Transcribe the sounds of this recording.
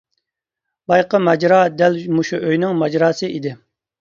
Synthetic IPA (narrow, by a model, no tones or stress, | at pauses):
bɑjqəmɛd͡ʒɾɑːd̪ɛlmuʃuʔøjnɪŋmɑd͡ʒɾɑːsɨʔid̪ɪ